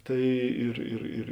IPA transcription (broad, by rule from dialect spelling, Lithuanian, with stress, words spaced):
ˈtɐɪ ɪr ɪr ˈɪr